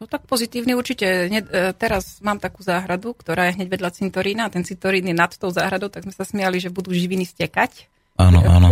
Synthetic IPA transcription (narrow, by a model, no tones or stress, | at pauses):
nɔt̪ak̚pɔzit̪iːʊniuɾt͡ʃicɛɲɛt̪ɛɾazmaːmt̪akuːzaːɦɾad̪ukt̪ɔɾaːjɛɦɲɛɟʋɛd̪ʎat͡sint̪ɔɾiːnat̪ɛnt͡sint̪ɔɾiːnjɛnat̪t̪ɔʊzaːɦɾad̪ɔʊt̪aɡzmɛsasmɪjaliʒɛbud̪uːʒiʋiniscɛkac | ʔaːnɔ̰ʔa̰ːnɔ